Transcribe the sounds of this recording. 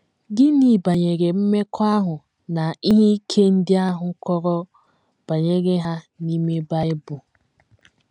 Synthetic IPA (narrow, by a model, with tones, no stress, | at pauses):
ɡɪ˦ni˨ba˨ɲe˨ɡe˨m̩˦me˦kʰɔ˦a˦ɦʊ˨ | na˨i˦ɦe˦i˦kʰe˦n̩˦dɪ˦a˦ɦʊ˨˦kɔ˦ɾɔ˦ | b̥a˨ɲe˦ɡe˦ɦa˦ | ni˦me˦ba˦ɪ˦bʊ˨